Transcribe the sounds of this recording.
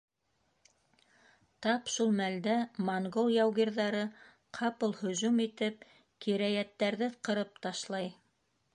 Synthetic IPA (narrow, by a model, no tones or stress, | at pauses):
t̪ɑpʃulˠmæld̪æmoŋɡolˠjɑwɡiɾðɑɾɤ | qʰɑpɤlˠhɵ̆zumit̪ɘp̚ | kiɾæjæt̪ːæɾðɘqɤ̆ɾɤp̚t̪ɑʃlˠɑj